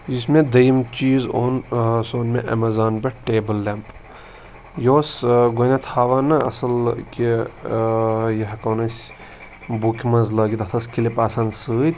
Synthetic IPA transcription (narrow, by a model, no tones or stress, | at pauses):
ismẽd̪ɐjimt͡ʃiːzo̰ːnsoːnmẽʔɐ̰mɐzaːnbeʈʈeːbəlːemp | joːsɡonat̪ʰaːʋaːnɐɐ̰sɐlki | jɐɦkɐːnɐsʲ | bukʰʲimɐnzlɐːɡit̪ɐt̪ʰɐskilepaːsansɨːt̪